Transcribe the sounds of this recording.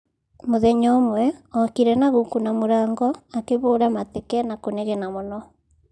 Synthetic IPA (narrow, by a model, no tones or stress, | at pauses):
moðɛɲomwɛɔkiɾɛnaɣukunamoɾaːŋɡɔakeβoːɾamatekɛnakoneɣɛnamonɔ